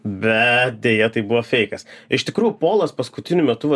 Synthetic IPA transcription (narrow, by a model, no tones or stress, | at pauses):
bʲɛt̪̚d̪ʲejɛt̪ɐɪbuʋɐfʲɛɪkɐsɪʃt̪ʲɪkɾuːjupoːlˠɐspɐskʊt̪ʲɪnʲʊmʲɛt̪ʊʋɐ